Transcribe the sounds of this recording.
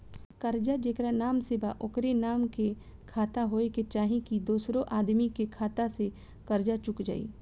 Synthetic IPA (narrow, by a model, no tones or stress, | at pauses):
kɐɾd͡ʒad͡ʒeːkɾanaːmsebaʔʊkɾenaːmke | kʰaːt̪aɦoːeket͡ʃaːɦĩkid̪oːsɾõʔaːd̪mikekʰaːt̪ase | kɐɾd͡ʒat͡ʃʊkd͡ʒa̰ːḭː